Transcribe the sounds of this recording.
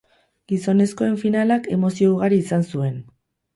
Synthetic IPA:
ɡ̥iso̞ne̞sko̞e̞ɱfinalake̞mo̞sio̞uɣ̞aɾiːsansue̞n

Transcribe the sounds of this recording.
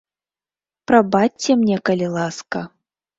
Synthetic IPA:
pɾɐbatʲt͡sʲːɛmnʲɛkɐlʲilˠaskɐ

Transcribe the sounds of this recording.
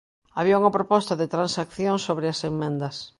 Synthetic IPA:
aβiauŋɐpɾopɔst̪ɐðet̪ɾansakθjoŋsoβɾɪɐsemmẽnd̪ɐs

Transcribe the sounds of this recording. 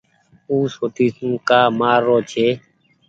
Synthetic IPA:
uːsoːt̪ʰiːsũːkaːmaːɾːoːt͡ʃʰeː

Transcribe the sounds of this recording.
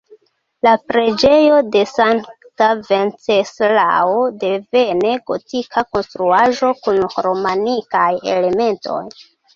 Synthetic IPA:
lapɾe̞d͡ʒe̞jo̞de̞saŋ | tavent͡sesla̰ode̞ve̞ne̞ɡo̞tikʰako̞nst̪ɾuaʒo̞kunɾomanikaje̞̰le̞me̞nto̞̰j

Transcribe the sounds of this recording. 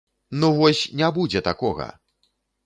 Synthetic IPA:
nuvɔsʲnʲabud͡zʲɛt̪akɔɣɐ̰

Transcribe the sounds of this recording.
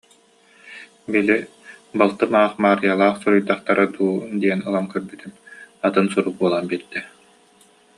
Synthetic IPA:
bili | balˠt̪ɯmaːχmaːɾjalˠaːχsuɾujt̪aχt̪aɾɯd̪uːd̪iɛnɯlˠamkœɾbyt̪ymat̪ɯnsuɾuk̚buɔlˠaːnbiɾd̪ɛ

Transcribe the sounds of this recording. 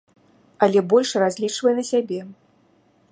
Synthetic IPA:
ɐlʲɛbɔlʲʂrazʲlʲit͡ʂvɐjɛnɐsʲabʲɛ

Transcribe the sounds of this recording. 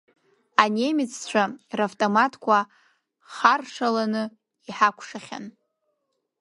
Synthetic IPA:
ane̞mɪt͡sʰt͡ɕʷʰaraftʼomatʰkʷʰa | χarʂalanɨ | iħakʷʰʂaχʲa̰n

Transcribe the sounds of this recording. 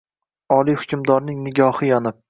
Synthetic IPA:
ɒlˠijhʊ̥kʲʰʊmd̪ɒɾnɪŋnɪɡʲɒhɨjɒnɪp̚

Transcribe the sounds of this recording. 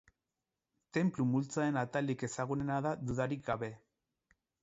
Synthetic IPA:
t̪e̞mplumult͡saenat̪alike̞saɣ̞une̞naðaðuðaɾik̚ɡaβe̞

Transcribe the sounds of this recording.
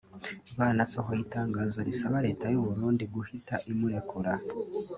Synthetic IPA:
iβaːnasoɦoitaːŋɡaːzoɾisaβaɾe̞ːtajuβuɾuːndiɡuhitaʔimuɾekʰuɾa

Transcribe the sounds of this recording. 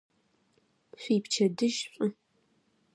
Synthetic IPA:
ɕʷiːpt͡ʃʰɐdɨʒɕʷʼʊ

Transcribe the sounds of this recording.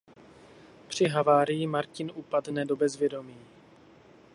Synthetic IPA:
pr̝̥ɪɦavaːɾɪjɪmaɾcɪnʔuːpadnɛdo̞bɛzvjɛdo̞miː

